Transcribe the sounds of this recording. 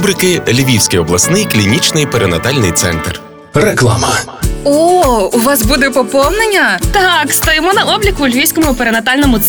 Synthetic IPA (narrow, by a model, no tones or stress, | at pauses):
bɾɪkɪlʲiʋʲiwsʲkɪjɔblˠɐsnɪjklʲinʲit͡ʃnɪjpeɾenɐt̪ɑlʲnɪjt̪sɛ̰nt̪r | ɾeklˠa̰mɐɔuʋɑsbud̪ɛpɔpɔwnenʲːɐt̪ɑkst̪ɐjɪmɔnɐɔblʲikʊlʲʋʲijsʲkɔmʊpeɾenɐt̪ɑlʲnɔmʊt̪s